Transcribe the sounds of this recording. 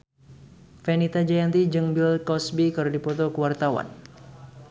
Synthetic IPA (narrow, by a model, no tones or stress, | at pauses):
fɛnit̪ad͡ʒajant̪id͡ʒəŋbilkɔsbikɨrdipɔt̪ɔkəwart̪awa̰n